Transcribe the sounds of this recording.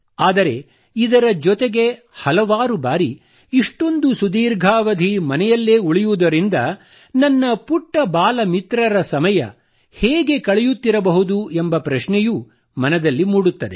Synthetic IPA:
aːd̪ɐɾe̞ | id̪ɐɾɐd͡ʒɔt̪eɡe̞ | hɐlɐʋaːɾubaːɾi | iʂʈo̞nd̪usud̪iːɾɡʱaːʋɐd̪ʱimɐnɛjɐlːeːuɭijud̪ɐɾind̪ɐ | nɐnːɐpuʈːɐbaːlɐmit̪ɾɐɾɐsɐmɐjɐ̰ | hɛːɡe̞kɐɭɛjut̪ːiɾɐbɐɦud̪uembɐpɾɐʃnɛju | mɐnɐd̪ɐlːimuːɽut̪ːɐd̪e̞̰

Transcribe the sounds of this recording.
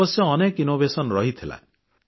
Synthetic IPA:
ɔsjɔːnekinobesɔnɾɔɦit̪ʰila̰ẽ

